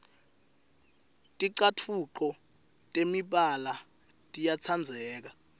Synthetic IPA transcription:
tʼiǀatʰuǃɔ | tʼemiɓala | tʼijat͡sʰand͡zʱɛːk̬a

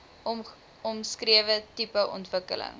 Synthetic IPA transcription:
ɔmskriəvətipəʔɔ̰ntvəkə̰lə̰ŋ

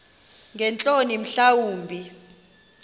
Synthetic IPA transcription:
ŋʱɛnt͡ɬʼonim̩ɬawuːmbʱi

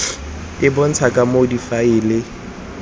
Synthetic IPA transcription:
ɪbʊn̩t͡sʰakʼamodifaɪlɪ

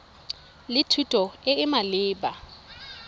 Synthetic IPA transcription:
lɪtʰutʼɔɪɪmalɪːba

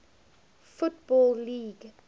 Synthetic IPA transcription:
futbɔlliːɡ

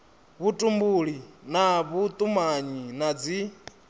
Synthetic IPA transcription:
βutʼumbuɺinaβut̪ʼumaɲinad͡zi

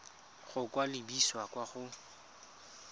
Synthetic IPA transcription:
χʊkwalɪbiswakwaχʊ

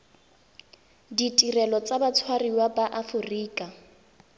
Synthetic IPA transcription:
ditʼirɛlɔt͡sʼabat͡sʰwariwabaʔafʊriːkʼa

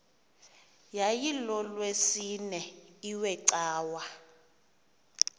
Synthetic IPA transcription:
jajilɔlwesinɛiwɛǀaːwa

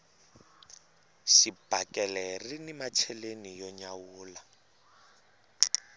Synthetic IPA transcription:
ʃib̥akʼɛlɛrinimat͡ʃʰɛlenijɔɲawuːla

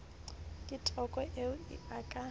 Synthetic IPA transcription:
kʼɪtʼɔkʼɔʔeʊɪ̰akʼa

